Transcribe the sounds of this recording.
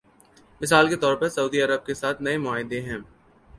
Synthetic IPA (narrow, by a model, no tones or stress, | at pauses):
mɪs̬aːlket̪ɔːɾpɐɾsɐuːd̪iɐɾəb̚kesaːt̪ʰnɐemʊaːɦɪd̪ẽɦɛ̃ː